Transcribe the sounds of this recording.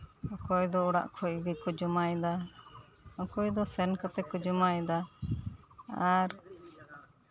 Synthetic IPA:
ɔkɔjd̪ɔuɽa̰ʔkʰɔd̪ikud͡ʒumajd̪a | ɔkɔjd̪ɔsɛnkat̪ɛkud͡ʒumajd̪a | aɾ

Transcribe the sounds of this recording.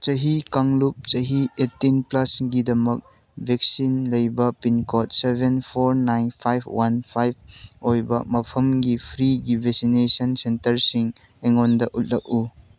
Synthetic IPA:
t͡ʃɐɦikaŋlup̚t͡ʃɐɦietːinplasŋɡidɐmɐk̚ | bʱek̚sinlɐjbɐpinkɔt̚sebʱenpʰoɾnajnpʰajb̚ʰwanpʰajb̚ojbɐ̰mɐpʰɐmɡipʰɾiɡibʱek̚sinesɐnsentɐɾsiŋ | eŋondɐʔut̚lɐk̚u

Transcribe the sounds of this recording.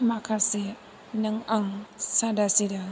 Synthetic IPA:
makaɾse | nɪŋʔaŋsadasida

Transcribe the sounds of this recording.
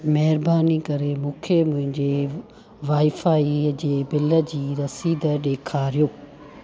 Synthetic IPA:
mɛɦɪɾbaːnikɐɾemũːkʰemʊ̃ɦɪ̃ɲd͡ʑeː | ʋaːifaːid͡ʑeːbɪləd͡ʑiːɾɐsiːd̪əɗeːkʰaːɾijoː

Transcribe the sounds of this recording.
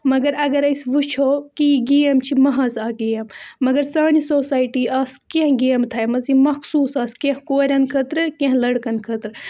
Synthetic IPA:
mɐɡɐɾɐɡɐɾɐsʋut͡ʃʰoːkiɡiːɐmt͡ʃʰimɐɦɐzaːɡiːɐmːɐɡɐɾsaːnisoːsaːjʈiːaːskẽɦɡeːmt̪ʰɐjmɐzimɐxsuːsaːskẽɦkoːɾʲɐnkʰɐt̪ɾɨkẽɦlɐɽkɐnkʰɐt̪ɾɨ

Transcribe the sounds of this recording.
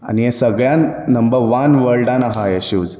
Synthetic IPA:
a̰niesəɡɭjanːəmbəɾʋanʋəɭɖãnaɦajeɕuːd͡z

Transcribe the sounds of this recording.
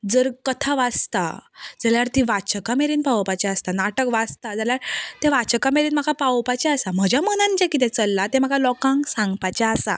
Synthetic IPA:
d͡zəɾkət̪ʰaʋast̪a̰d͡zaljaɾt̪iʋat͡ɕəkameɾiːnpawpat͡ɕaəst̪anaʈəkʋast̪ad͡zaljaɾt̪ɛʋat͡ɕəkameɾiːnm̤akʰapawpat͡ɕaəsam̤əd͡ʑamənãnt͡ɕakit̪ɛ̃t͡səlːat̪ɛ̃m̤akʰalɔkãŋɡsãŋɡpat͡ɕaəsa̰

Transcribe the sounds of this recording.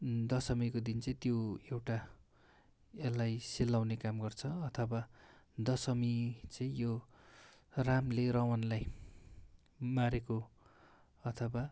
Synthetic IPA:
d̪ʌsʌmikod̪int͡sʌĩt̪joewʈa | elːajselːawnekamɡʌrt͡sʰʌʌt̪ʰʌbad̪ʌsʌmit͡sʌĩjo | ramlerʌwʌnlaj | maɾeko | ʌt̪ʰʌba

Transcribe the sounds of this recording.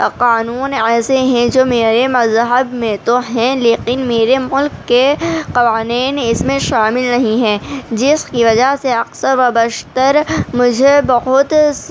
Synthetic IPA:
qaːnuːnɛːseɦɛ̃d͡ʒoːmeːɾemɐzɦəbmẽt̪oɦɛ̃leːkɪnmeːɾemʊlkːeqɐʋaːniːnɪsmẽʃaːmɪlnɐɦĩɦɛ̃ːd͡ʒɪskiʋɐd͡ʒaseɐqsəɾʋɐbɐʃt̪əɾmʊd͡ʒʱebɐɦʊt̪

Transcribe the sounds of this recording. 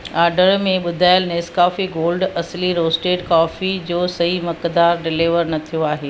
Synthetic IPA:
aːɾɖəɾmẽɓʊd̪ʱaːɪəlneːskaːfiɡoːlɖɐsliɾoːsʈeːʈkaːfid͡ʑoːsɐɦimɐkd̪aːɾɖɪliʋəɾnɐt̪ʰijoaːɦeː

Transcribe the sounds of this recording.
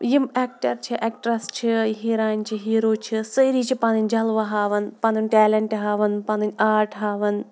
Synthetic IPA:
jimek̚ʈɐɾt͡ʃʰɨʔek̚ʈɾɐst͡ʃʰɨɦiːɾaːnʲt͡ʃʰiɦiːɾoːt͡ʃʰɨsɨjɾit͡ʃʰipɐnɨnʲd͡ʒɐlʋɐɦaːʋɨnpɐnɨnʲʈʲɛːlɐɳʈɨɦaːʋɨnpɐnɨnʲaːɾʈɦaːʋɨn

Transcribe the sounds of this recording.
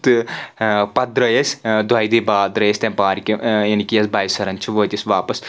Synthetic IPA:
t̪ɨ | pɐd̪ɾɐjɐsʲd̪ʋɐjd̪ibaːd̪ɾɐjɐsʲt̪ʲempaːɾikʲijɐnikʲijɐsbɐjsɐɾɐnt͡ʃʰiʋoːt̪ʲisʲʋaːpɐs

